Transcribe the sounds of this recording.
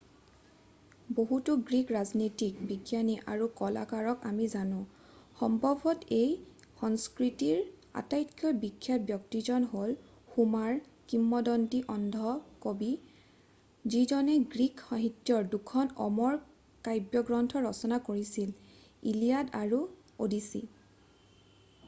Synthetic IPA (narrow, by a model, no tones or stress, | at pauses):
boɦutuɡɹikɹaznitik̚biɡjaniʔaɹukɔla̰kaɹɔkamizanʊ̃ | xɔmbʱɔbʱɔtej | xɔŋskɹitiɹa̰tajtkʰjɔbikʰːjabjɔk̚tizɔnɦol | xumaɹ | kimːɔdɔntiʔɔndʱɔkobi | zizɔnɛɡɹikaɦitjɔɹdukʰɔnɔ̰mɔɹ | kajbjɔɡɹɔntʰɔɹɔsɔnakoɹisil | ḭlijadaɹu | odisḭ